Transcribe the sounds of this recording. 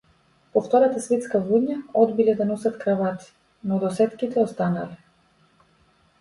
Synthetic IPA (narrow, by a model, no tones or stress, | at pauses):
pɔft̪ɔɾat̪asvɛt̪skavuɲaɔd̪bilɛd̪anɔsat̪kɾavat̪i̥ | nɔd̪ɔsɛt̪kit̪ɛɔst̪ana̰lɛ